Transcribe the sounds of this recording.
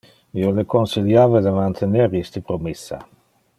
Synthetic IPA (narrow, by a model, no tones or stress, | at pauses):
iolekonsiljaːved̪əmant̪ʰeneɾist̪əpɾomesːa̰